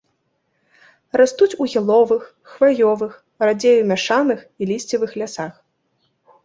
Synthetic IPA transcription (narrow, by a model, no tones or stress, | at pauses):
rast̪ut͡sʲuɣʲilˠɔvɨxːvajɔvɨx | rad͡zʲejumʲaʂanɨxilʲisʲt͡sʲivɨxlʲasax